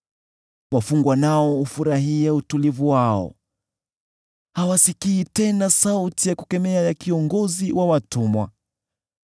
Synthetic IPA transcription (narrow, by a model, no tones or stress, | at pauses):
wafuŋɡwanaɔufuɾaɦiɛutulivuwaɔ̰ | hawasikiːtɛnasautijakukɛmɛajakiɔŋɡɔziwʔawatumwa̰